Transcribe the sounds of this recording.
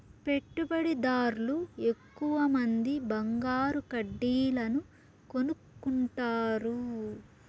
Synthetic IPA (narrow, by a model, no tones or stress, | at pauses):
pe̞ʈːubɐɽid̪aːɾlue̞kːuʋɐmɐnd̪ibɐŋɡaːɾukɐɖːiːlɐnu | ko̞nukːuɳʈaːɾu